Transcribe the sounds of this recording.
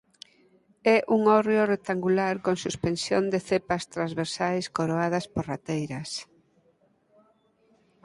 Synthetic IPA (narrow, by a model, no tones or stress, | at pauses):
ɛʔuŋɔrjorek̚t̪aŋɡulaɾkoŋsuspensjo̰nd̪eθepɐst̪ɾazβeɾsajskoɾoað̞ɐspoɾrat̪ejɾɐs